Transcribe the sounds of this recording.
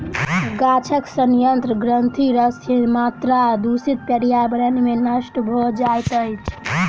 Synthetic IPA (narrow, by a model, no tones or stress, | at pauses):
ɡat͡ʃʰəksənjənt̪ɾəɡɾənt̪ʰiɾəsʰemat̪ɾad̪usit̪̚pəɽijabɾənimenəʃʈbʱod͡ʒajt̪əjt͡ʃʰ